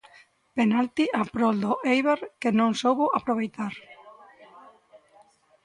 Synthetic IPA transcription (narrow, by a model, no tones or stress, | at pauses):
penalt̪iʔapɾɔld̪oʔejβeɾkɪnõŋsowβʊʔapɾoβ̞ejt̪aɾ